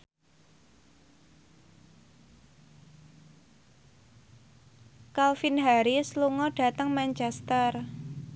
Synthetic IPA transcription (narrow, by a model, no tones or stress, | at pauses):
kalfinɦaɾisluŋɔɖ̥a̤t̪əŋmaɲt͡ʃɛst̪ər